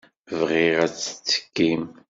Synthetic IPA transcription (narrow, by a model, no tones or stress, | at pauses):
vʁiʁæt͡sːə̥t͡sːə̥kːim